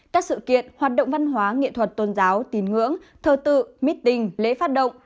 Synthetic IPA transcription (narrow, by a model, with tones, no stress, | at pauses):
kaː˦˥k̚sɨ̰˧˨kḭ˧˨ənhaː˨˩t̚ɗə̰˧˨ŋ͡mva˧nɦwaː˨˦ŋḭ˧˨t̪ʰwə˨˩t̚t̪o˧nzaː˨˦wt̪i˨˦nŋɨ̰˧˥əŋt̪ʰəː˧˩t̪ɨ̰˧˨mi˦˥t̚t̪ï˧ŋlḛ˧˥faː˦˥t̚ɗə̰˧˨wŋ͡m